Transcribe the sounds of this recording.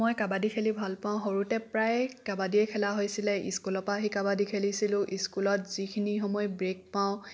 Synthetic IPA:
mojkabadikʰelibʱalpãʊ̃ɦoɹutɛpɹajkabadiɛkʰɛlaɦojsilɛḭskulɔpaɦikabadikʰelisilʊ̃ʔiskulɔtz̥ikʰinixɔmɔjbɹek̚paʊ̃

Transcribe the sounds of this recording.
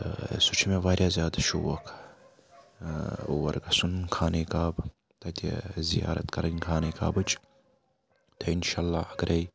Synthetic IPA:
sut͡ʃʰimeʋaːɾʲjaːzjaːd̪ɐʃṵwɐkʰ | uwɐ̰ɾɡɐsunkʰaːnikaːb | t̪ɐt̪ḛzija̰ːɾɐ̰t̪kɐɾɐnkʰaːnika̰ːbɨt͡ʃ | t̪ʰɐinʃaːlːaːɐɡɾʔɐj

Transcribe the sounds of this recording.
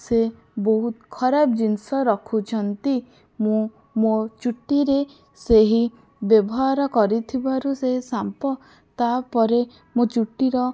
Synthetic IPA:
se | boɦut̪kʰɔɾabd͡ʒinsɔɾɔkʰut͡ʃʰɔnt̪i | mũ | mot͡ʃuʈːiɾe | seɦi | bjɔbɔɦaɾɔkɔɾit̪ʰibaɾuseɦisampɔ | t̪apɔɾe | mot͡ʃuʈːiɾɔ

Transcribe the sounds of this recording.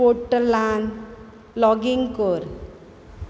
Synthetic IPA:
oʈːəlaːn | lɔɡɪŋkoːɾ

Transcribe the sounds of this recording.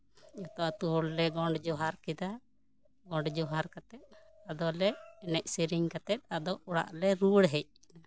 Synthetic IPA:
ɔt̪ɔʔt̪uɦɔɽlɛɡɔɳɖd͡ʒɔɦaɾkid̪a | ɡɔ̃ɳɖd͡ʒɔɦaɾkat̪ɛt̪̚ | ad̪ɔlɛɛnɛc̚ˀsiɾiŋkat̪ɛt̪̚ˀad̪ɔɔɽa̰ʔlɛɾuɽɦɛc̚

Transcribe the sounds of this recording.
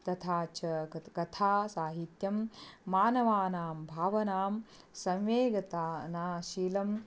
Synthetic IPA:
t̪ɐt̪ʰaːt͡ʃɐkɐt̪ʰaːsaːɦit̪jɐmːaːnɐʋaːnaːmbʱaːʋɐnaːm | sɐ̃mʋeːɡɐt̪aːnaːʃiːlɐm

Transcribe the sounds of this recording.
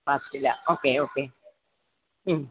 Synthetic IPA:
askila̰okeoke

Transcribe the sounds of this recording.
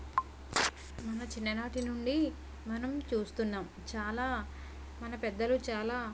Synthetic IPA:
mɐnɐt͡ʃinːɐnaːʈinuɳɖi | mɐnɐmt͡ʃuːst̪unːaːm | t͡ʃaːlaː | mɐnɐpɛd̪ːɐlut͡ʃaːlaː

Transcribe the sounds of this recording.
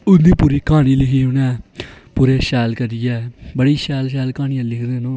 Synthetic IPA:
ʊnd̪iːpuːɾiːkaːñiːlɪkʰiːʊnɛ̃ːpuːɾeːʃɛːlkəɾijɛːbəɽiːʃɛːlʃ̬ɛːlkaːnɪjãːlɪkʰd̪ẽːnõː

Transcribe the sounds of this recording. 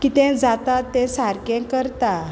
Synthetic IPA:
kit̪ɛ̃d͡zat̪at̪ːɛ̃saɾkɛ̃kəɾt̪a

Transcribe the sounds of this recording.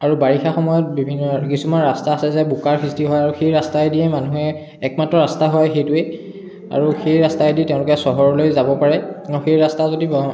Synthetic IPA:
aɹubaɹixaxɔmɔjɔt̚bibʱinːɔkisumanɹastaːsɛzɛbukaɹxʰɹistiɦɔjaɹuxejɹastaediɛmanuɦɛ | ɛk̚matɹɔɹastaɦɔjxejtʊɛ | a̰ɹuxejɹastaeditɛʊ̃lʊkɛsɔɦɔɹɔlojzabɔpaɹɛauxejɹastazodib

